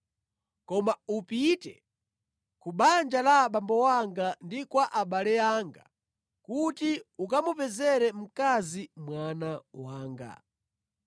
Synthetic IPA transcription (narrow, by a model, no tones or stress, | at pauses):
kɔmaupitɛ̰ | kuɓand͡ʒalaɓambɔwaŋɡandikwaʔaɓalɛjaːŋɡa̰ | kutiukamupɛzɛɾɛm̩kazimwanawaːŋɡa̰